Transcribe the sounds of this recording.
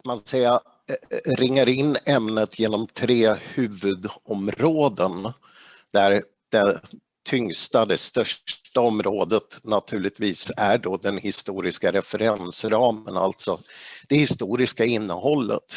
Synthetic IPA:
kʰmansɛja | ɾɪŋːəɾɪnːɛmnət̪ʰjeːnɔmt̪ʰɾeːhʉ̟ːvɵd̪ɔmɾoːd̪ən | d̪̥æɾ | d̪̥ɛ | t̪ʰʏŋst̪ad̪ɛst̪œʂʈaɔmɾoːd̪ət̪nat̪ʰʉ̟ːlɭɪt̪viːsæɖɔd̪ɛnhɪst̪uːɾɪskaɾɛfɛɾɛnsɾɑːməna̰lt̪sɔd̪̥ɛhɪst̪uːɾɪskaɪnːəhɔlːə̰t̪

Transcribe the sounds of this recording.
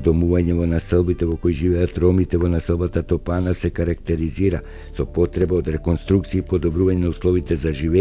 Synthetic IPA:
d̪ɔmuvaɲɛvɔnasəlˠbit̪ɛvɔkoiʒivɛat̪ɾɔmit̪ɛvɔnasɛlˠbat̪at̪ɔpanasɛkaɾakt̪ɛɾiziɾa | sɔpɔt̪ɾɛbaod̪ɾɛkonst̪ɾuk̚t̪siːpod̪ɔbɾuvaɲɛnauslˠɔvit̪ɛzaʒivɛ

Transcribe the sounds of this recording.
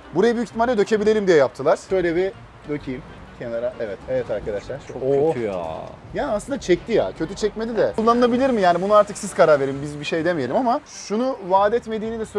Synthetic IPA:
buɾajabiycit̪imalɾʲɛd̪øcʰe̞bilʲelʲimd̪ijɛjap̚t̪ʰɯlˠaɾ̥øjlʲebi | d̪øcʰijim | cʰenaɾaʔevɛt̪evɛt̪ʰaɾkʰad̪aʃlˠaɾt͡ʃʰooøyja̰ | jaːaslˠɯnd̪at͡ʃʰɛct̪ʰija̰cʰøt̪ʰyt͡ʃʰɛcmed̪id̪ɛulˠːanɯnˠabilʲiɾmijaːnibunuaɾt̪ʰɯksiz̥kʰaɾaɾve̞ɾimbizbiʃejd̪emijelʲimamaʃunuvaːd̪ɛt̪me̞d̪iːnid̪ɛsø

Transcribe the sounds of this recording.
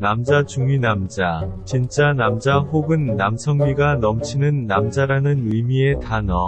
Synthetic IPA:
namd͡ʑat͡ɕuŋɥinamd͡ʑat͡ɕint͡ɕ͈anamd͡ʑaɸoɡɯnːamsʰʌŋmiɡanʌmt͡ɕʰinɯnːamd͡ʑaɾanɯnɯmie̞tanʌ

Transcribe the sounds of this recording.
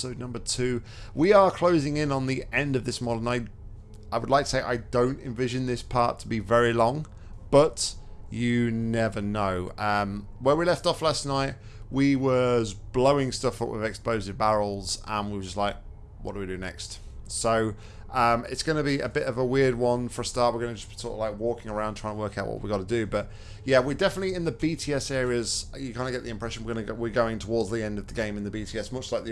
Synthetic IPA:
soʊdⁿnʌ̃mbətʰʉː | wiəkʰl̥oʊzɪ̃ŋɪ̃nə̃nðiʔɛ̃ndəvðɪsmɒɾə̃naɪ | aɪwədˡlaɪk̚tʰə̥seɪʔa̰ɪdõʊ̃ntɪ̃ɱvɪʒɨ̃nðɪspʰɑˑtʰəbivɛɹilɔ̃ŋ | b̥ʌt͡ʃənɛvənoʊʌ̃m | wəwilɛftɒflasⁿnaɪʔ | wiwʌzbloʊɪ̃ŋstʌfəʔwɪvɛkspoʊzɪvbaɹl̩ˠzə̃nwiwəd͡ʒʌstˡlaɪk̚ | wɒ̰ʔ̚d̥əwidɨnɛ̰kst | soʊ | ʌ̃mɪ̰tsɡ̥ʌnəbiə̰bɪɾʌvəwɪəd̚wʌ̃nfə˞əstɑɹʔ̚wɪəɹɡʌnəd͡ʒʌssʰɔ̰ˑktlaɪkwɔˑkɪ̃ŋəɹãʊ̃ntʰɹ̥aɪ̃nwɜˑkaʊʔwɒ̰ʔwiɡɑɾədɨbʌʔ̚ | jæwɪdɛfənətliɪ̃nðəbitʰiɛsɛːɹiəz | jəkʰãɪ̃nəɡɛʔðiɪ̃mpʰɹ̥ɛʃə̃nwɪɹɡʌnəɡwɪɡoʊɪ̃ŋtʰəwɔːdzðiɛ̃ndʌvðəɡẽɪ̃mɨ̃nðəbitʰiɛsmʌt͡ʃlaɪk̚ð

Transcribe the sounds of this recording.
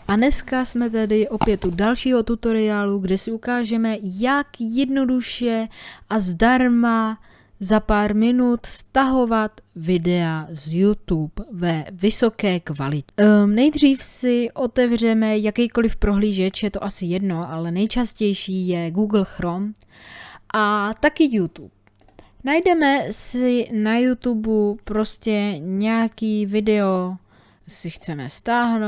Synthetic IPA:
ʔanɛskasmɛt̪̬ɛdɪʔo̞pjɛt̪udalʃiːɦo̞t̪ut̪o̞ɾɪaːluɡdɛsɪukaːʒɛmɛjakjɛdno̞duʃjɛʔazdaɾma | zapaːɾmɪnut̪st̪aɦo̞vat̪vɪdɛazjut̪upvɛvɪso̞kɛːkvalɪcɛnɛjd̪r̝iːfsɪʔo̞t̪ɛvr̝ɛmɛjakɛjko̞lɪfpɾo̞ɦliːʒɛt͡ʃjɛt̪o̞ʔasɪjɛdno̞ʔalɛnɛjt͡ʃascɛjʃiːjɛɡuːɡl̩xɾom | ʔat̪akɪjut̪ṵp̚ | najdɛmɛsɪnajut̪ubupɾo̞scɛɲɛjakiːvɪdɛo̞ | sɪxt͡sɛmɛ̰st̪aːɦno

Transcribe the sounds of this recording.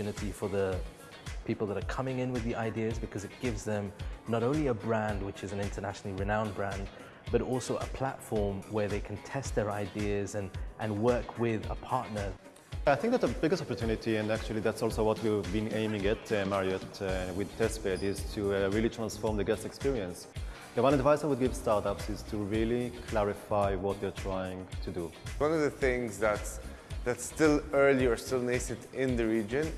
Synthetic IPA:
ʉnɨɾifə˞ðə | pʰipl̩ˠðəɾə˞kʰʌmɪ̃ŋɪ̃nwɨðiʔaɪdiɨzbɨkʰʌzɨt̚ɡ̥ɪvzðɨ̃mnəɾõʊ̃nliəbɹæ̃nd̚wɨt͡ʃɨzɨ̃nɪ̃ntʰə˞næʃn̩l̩ˠiɹɨnãʊ̃nbɹæ̃nd | b̥ʌɾɔlˠsoʊʔə̰pʰl̥ætfɔɹmwə˞ðeɪkʰn̩tʰɛst̪̚ðə˞aɪdiɨzɨ̃nʔɨ̃nwɜ˞kʰwɪðə̰pʰɑɹʔⁿnə˞ | ajθɪ̃ŋk̚ðætsəbɪɡəstɔpəɹtʰjunɪtiɨ̃næk̚t͡ʃʉlˠiðætsɔlˠsoʊwɔtʰwivbĩnẽɪ̃mɪ̃ŋætmaɹiɔtwɪðtʰɛspɛdɪztʰuɹilitʰɹ̥ãnsfɔɹmðəɡɛstɛkspiɹiə̃ns | ðəwʌ̃nadvaɪsaɪwʊd̪̚ɡɪv̥stɑɹtapsɪz̥tʰuɹilikʰlæɹɪfaɪwɔt̪̚d̪ɛɹtʰɹ̥ajɪ̃ŋtʰuduwʌ̃nʌvðɨθɪ̃ŋzðæt | ðætstɪlˠɜ˞liə˞stɪlˠnesɨdɪ̃nðɨɹid͡ʒɨ̃n

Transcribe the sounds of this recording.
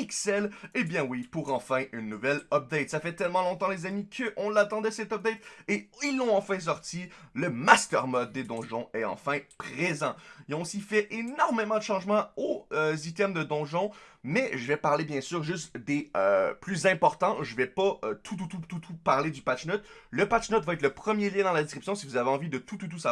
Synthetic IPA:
piksɛlebjɛ̃wipuʁɑ̃fɛ̃ʔynːuvɛlɔp̚d̪ɛt̪safɛt̪ɛlmɑ̃lɔ̃t̪ɑ̃lezamikʰəʔɔ̃lat̪ɑ̃d̪ɛsɛt̪ɔp̚d̪ɛjt̪eilːɔ̃ɑ̃fɛ̃s̬ɔʁt̪iləmast̪ɛʁmɔd̪̚ːed̪ɔ̃ʒɔ̃ɛɑ̰̃fɛ̃pχezɑ̃ilɔ̃sifɛʔenɔʁmemɑ̃d̪əʃɑ̃ʒmɑ̃oøzit̪ɛmd̪əd̪ɔ̃ʒɔ̃mɛʒəvɛpaʁlebjɛ̃syːʁʒyst̪d̪eø̰plyzɛ̃pɔʁt̪ɑ̃ʒəvɛpaøt̪ʰut̪ut̪ut̪ut̪ʰupaʁled̪ypat͡ʃnɔt̪ləpat͡ʃnœt̪vaɛt̪ləpχəmjeljɛ̃d̪ɑ̃lad̪eskχipsjɔ̃sivuzaveɑ̃vid̪ət̪ut̪ut̪̬usa

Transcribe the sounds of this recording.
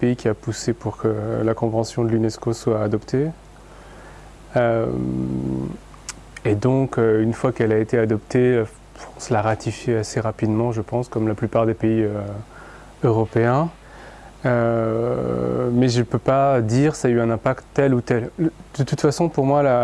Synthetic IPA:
peikʲʰiapusepuʁkʰəlakɔ̃vɑ̃sjɔ̃d̪əlynɛskoswaːd̪ɔpt̪ʰe | øm | ed̪ɔ̃køynfwakɛlaet̪ead̪ɔpt̪ʰela | fʁɑ̃slaʁat̪ʰifjeaseʁapid̪mɑ̃ʒəpɑ̃skɔmlaplypaʁd̪epeiø | øʁɔpeɛ̃ | ø | mɛʒəpøpad̪iʁsaːyɛ̃nɛ̃pakt̪t̪ːɛlut̪ɛld̪̥ət̪ut̪fasɔ̃puʁmwala

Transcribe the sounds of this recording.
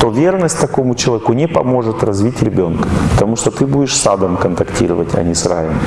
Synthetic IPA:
t̪ovʲernəsʲtʲt̪ɐko̞mʊt͡ɕɪlˠɐvʲekʊnʲɪpɐ̰mo̞ʐɨt̪rɐzvʲitʲɾʲɪbʲo̞nkə̥pə̥t̪ɐmuʂt̪ot̪ɨbudʲɪʂsad̪əmkənt̪ɐktʲḭɾəvətʲɐ̰nʲisra̰jɪm

